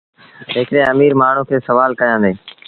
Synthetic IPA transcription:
ɪːkẽːəmiːɾmaːɳ̤ũːkʰeːsəʋaːlkəjãːd̪eː

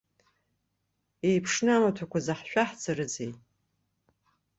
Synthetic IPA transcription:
ejpʰʂnɨamatʷʰakʷazaħʃᶣʷaħt͡sʰaɾɨd͡zej

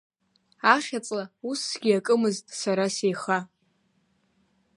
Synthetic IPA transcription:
aχʲat͡sʼlausɡʲiakʼɨmɨztʼsaɾasejχa

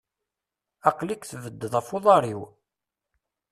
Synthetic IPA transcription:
ɑqlikθvəd̪ːəðˤæfoðˤɑɾˤiw

